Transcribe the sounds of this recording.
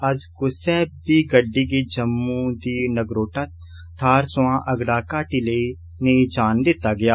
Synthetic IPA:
əd͡ʒkʊsɛːɦbbiːɡəɖːiːɡeːd͡ʒəmːũːd̪iːnəɡɾoːʈaː | t̪ʰaːɾsʊãːʔəɡɽaːkaːʈiːləiː | nəiːd͡ʒaːnd̪ɪt̪ːaːɡɪjaː

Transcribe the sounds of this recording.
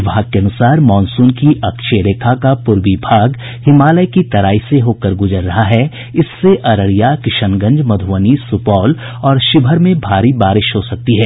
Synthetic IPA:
bʱaːɡ̚keɐnʊsaːɾmɔːnsũːnkiʔɐkʃeɾeːkʰakapʊɾʋibʱaːɡ | hɪmaːləjkit̪ɐɾaːiseɦoːkəɾɡʊzəɾːɐɦaɦɛ | ɪsːeʔɐɾəɽijakɪʃənɡə̃ɲd͡ʒmɐd̪ʱʊʋənisʊpɔːl | ɔːɾʃɪbʱəɾmẽbʱaːɾibaːɾɪʃɦosɐk̚t̪iɦɛː

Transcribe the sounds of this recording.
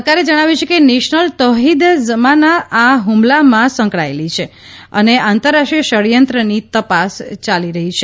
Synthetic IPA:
kaɾed͡ʒəɽ̃aʋjut͡ʃʰekeneʃnəlt̪əɦid̪zəmanaʔaɦumlamãsə̃ŋkɭaelit͡ʃʰe | ə̰neãnt̪əɾːaʃʈijəʃəɾjənt̪ɾənit̪əpast͡ʃaliɾəɦit͡ʃʰe

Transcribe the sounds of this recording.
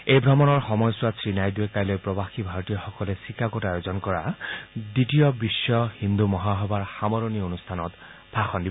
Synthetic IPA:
ejbʱɹɔmɔnɔɹxɔmɔjsʊwasɹinajduekajlojpɹɔbaxibʱaɹɔt̪ijɔxɔkɔlɛsikʰakotajozɔnkɔɹaditijɔbisːɔhind̪umɔɦaɦɔbaɹxamɔɹonionustʰanɔt | bʰʱaxɔndibɔ

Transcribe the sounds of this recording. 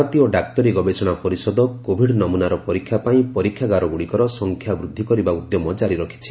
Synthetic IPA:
ɔt̪ioɖak̚t̪ɔɾiɡɔbesɔɽ̃apɔɾisɔd̪ɔkobʱiɽnɔmunaɾɔpɔɾikʰːjapaĩpɔɾikʰːjaɡaɾɔɡuɽikɔɾɔsɔŋkʰjabɾud̪ʱːikɔɾibaud̪jɔmɔd͡ʒaɾiɾɔkʰi̥t͡ʃʰi̥

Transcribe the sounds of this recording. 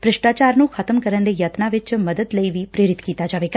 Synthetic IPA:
pɾɪʃʈaːt͡ʃaːɾnũːkʰət̪əmkəɾənd̪eːjət̪naːʋɪt͡ʃməd̪əd̪ləiːʋiːpɾeːɾɪt̪kiːt̪aːd͡ʒaːʋeːɡaː

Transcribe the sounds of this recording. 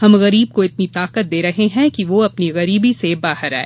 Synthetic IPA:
hɐmɣɐɾiːb̚koɪt̪nit̪aːqət̪̚d̪eːɾɐɦeɦɛ̃kiʋoɐpniɣɐɾiːbisebaːɦəɾɛ̰ː

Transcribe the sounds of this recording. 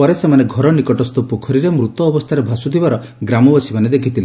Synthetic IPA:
pɔɾesemaneɡʱɔɾɔnikɔʈɔst̪ɔpukʰɔɾiɾemɾut̪ɔːbɔst̪ʰaɾebʱasut̪ʰibaɾɔ | ɡɾamɔbɔsibaned̪ekʰit̪ʰile

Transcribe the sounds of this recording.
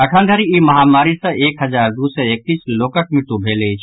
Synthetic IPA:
əkʰənd̪ʱəɾiiməɦamaɾisə̃ʔekɦəd͡ʒaɾd̪usɛek̚t̪iːslokək̚miʈubʱelet͡ʃʰ

